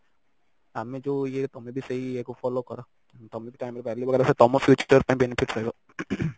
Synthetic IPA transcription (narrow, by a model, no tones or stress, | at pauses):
amẽd͡ʒoːjet̪ɔmẽbʱisɐɦieːkofɔːlokɐɾa | t̪ɐmẽbʱiʈaːɪmeɾpɛːɾliʋɐɡɛːɾaset̪ɔmɔfjuːt͡ʃəɾpãɪ̃bɛnɪfʰɪʈɾɐɦeɡo